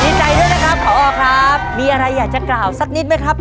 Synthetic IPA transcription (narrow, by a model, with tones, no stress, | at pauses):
ni˦˥t̪̚t͡ɕa˧jdu˥˩jna˦˥kʰɾa˦˥p̚kʰɔː˨˩˦ʔɔː˧kʰɾa˦˥p̚miː˧ʔa˧ɾa˧jːaː˨˩k̚t͡ɕa˨˩klaː˨˩wsa˨˩k̚ni˦˥t̪̚ma˦˥jkʰɾa˦˥p̚